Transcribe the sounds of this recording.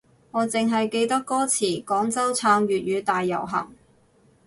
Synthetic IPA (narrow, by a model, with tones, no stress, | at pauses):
ŋɔː˨˧t͡sɪ˨ŋɦɐ˨jke˧jt̪ɐ˥kːɔː˥t͡sʰiː˨˩kɔː˨˥ŋt͡sɐ˥wt͡sʰaː˧ŋɥyː˨t̚ɥyː˨˧t̪aː˨jːɐ̰˨˩wɦɐ̰˨˩ŋ